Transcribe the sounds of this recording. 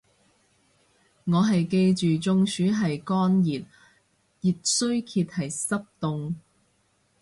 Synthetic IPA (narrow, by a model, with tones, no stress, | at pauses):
ŋɔː˨˧ɦɐ˨jke˧jt͡ʃyː˨t͡ʃʊ˧ŋsyː˨˥ɦɐ˨jkɔː˥njiː˨t̚ | ji˨t̚sɵ˥ɥkʰiː˧t̚hɐ˨jsɐ˥p̚t̪ʊ˧ŋ